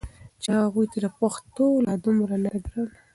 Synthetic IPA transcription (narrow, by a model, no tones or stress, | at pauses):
t͡ʃaɣujt̪alapaxt̪olad̪umɾanad̪ɾəl